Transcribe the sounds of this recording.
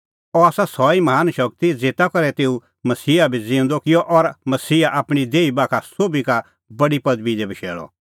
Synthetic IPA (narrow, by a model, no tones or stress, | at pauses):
ɔaːsasɔːimɐɦaːnʃɐk̚t̪id͡zeːt̪akɐɾɛt̪eːũ | mɐsiːabʱid͡zẽːnd̪ɔkɪjɔʔɔɾmɐsiːaʔaːpɽ̃id̪eːibaːkʰasoːbika | bɐɽipɐd̪bid̪ɛbʱiʃɛ̰ːɭɔ̰